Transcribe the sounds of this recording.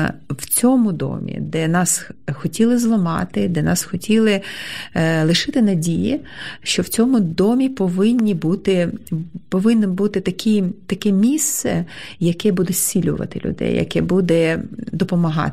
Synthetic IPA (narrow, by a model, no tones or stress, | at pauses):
wt͡sʲɔmʊd̪ɔ̰mʲḭd̪ɛnɑsxɔtʲilˠɪzlˠɔmɑ̰t̪ɪd̪ɛnɑsxɔtʲilˠɪ | lˠɪʃɪt̪ɪnɐdʲijḭʃt͡ʃɔwt͡sʲɔmʊd̪ɔmʲipɔʋɪnʲːibut̪ɪpɔʋɪnːɪbut̪ɪt̪ɐkʲit̪ɐkɛmʲist̪sɛ̰jɐkɛbud̪ɛsʲt͡sʲilʲʊ̰ʋɐ̰t̪ɪlʲʊ̰d̪ɛ̰jjɐ̰kɛbud̪ɛd̪ɔpɔmɐɦɑ̰